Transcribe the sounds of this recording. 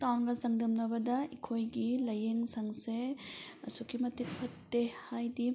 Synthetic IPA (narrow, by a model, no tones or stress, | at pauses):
tawnɡɐzɐŋdɯmnɐbɐdɐikʰojɡilɐjeŋsaŋseɐsukʰimɐtipʰɐtːehajdi